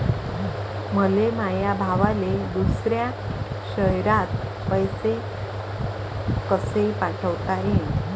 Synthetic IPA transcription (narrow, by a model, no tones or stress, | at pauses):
məlemajabʱaʋaled̪usɾja | ɕəɦjɾat̪ | pəjse | kəsepaʈʰəʋt̪aɦe